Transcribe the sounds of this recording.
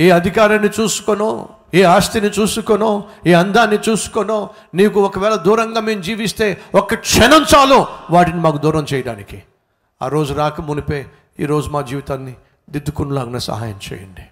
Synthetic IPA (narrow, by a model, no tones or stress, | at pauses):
iːɐd̪ʱikaːɾɐnːit͡ʃuːsu̥konoː | iːaːst̪init͡ʃuːsukonoːiːɐnd̪aːnːit͡ʃuːsu̥konoː | niːkuɔkɐʋɛːlɐd̪uːɾɐŋɡaːmeːmud͡ʒiːʋist̪e̞ːɔkːɐkʂɛnɐnt͡ʃaːloːʋaːʈinimaːkud̪uːɾɐmt͡ʃɛːjɐɽa̰ːniki | a̰ːɾo̞ːd͡ʒuɾaːkɐmunipeː | ḭːɾo̞ːd͡ʒumaːd͡ʒiːʋit̪aːnːi | d̪id̪ːukunulaːɡunɐsɐ̰ɦa̰ːjɐmt͡ʃɛ̰ːjɐɳɖi